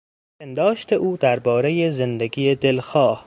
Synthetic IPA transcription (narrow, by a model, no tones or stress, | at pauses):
pʰend̪ɒːʃt̪ʰeʔuːd̪æɾbɒːɾejezend̪eɡijed̪elxɒːh